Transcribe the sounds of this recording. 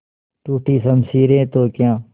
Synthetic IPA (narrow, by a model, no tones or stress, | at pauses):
ʈuːʈʰiːsəmsiːɾẽːt̪oːkjãː